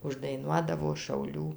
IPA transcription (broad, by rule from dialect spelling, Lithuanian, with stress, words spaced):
ʊʒdɐɪˈnuɔdɐʋoː ʃɐʊˈlʲuː